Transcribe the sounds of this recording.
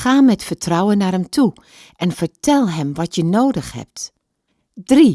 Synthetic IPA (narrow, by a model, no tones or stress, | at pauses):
xaːmɛtfəɹtrɔwənːaːrhɛmtʰu | ʔɛnfəɹtʰɛlˠɦɛmʋɑtjənoːdəxhɛ̰p̚t | dri